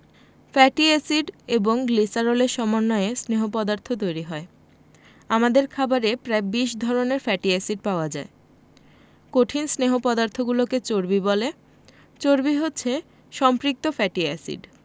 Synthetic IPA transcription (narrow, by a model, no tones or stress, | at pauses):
fɛʈiesiɖeboŋɡlisaɾoleɾʃɔmonːɔeesneɦopɔd̪aɾt̪ʰot̪̬ojɾiɦɔe | amad̪eɾkʰabaɾepɾaebiʃd̪ʱɔɾoneɾfɛʈiesiɖ̚paoad͡ʑae | koʈʰinsneɦopɔd̪aɾt̪ʰoɡuloket͡ɕoɾbibɔle | t͡ɕoɾbiɦotːɕʰe | ʃɔmpɾik̚t̪ofɛʈiɛsḭɖ